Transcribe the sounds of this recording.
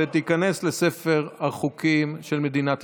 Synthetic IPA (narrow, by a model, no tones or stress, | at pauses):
et̪ikane̞slese̞fe̞ʁaχukimʃelme̞d̪inat̪